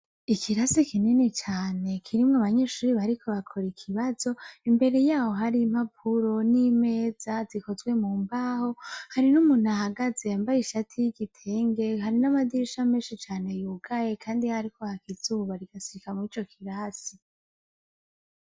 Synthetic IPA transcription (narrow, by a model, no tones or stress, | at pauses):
ikʰiɾasikʰininet͡ʃaːne̞kʰiɾimŋaβaɲe̞ːʃuːɾiβaɾikʰo̞βakʰo̞ɾikʰiβaz̥o̞imbe̞ɾe̞jaːho̞ɦaɾim̥hapʰuɾo̞nime̞ːz̥aziko̞zɡwe̞muːmbaho̞haɾinumuːn̥hahaɡaze̞ambajiʃatʰijiɡitʰe̞ːŋɡe̞ɦaɾinamad̪iiʃameːʃit͡ʃaːne̞juɡajekʰaːndihaɾiko̞hakizuːβaɾiɡ̥asiɾikamŋiːt͡ʃo̞kʰiɾasi